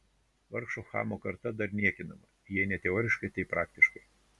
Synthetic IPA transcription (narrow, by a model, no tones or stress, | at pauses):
ʋɐɾkʃoːxɑ̰ːmoːkɐɾt̪ɐd̪ɐɾnʲiɛkʲɪnɐmɐ | jiɛnʲɛt̪ʲɛoːɾʲɪʃkɐɪt̪ɐɪpɾɑːk̚t̪ʲɪʃkɐɪ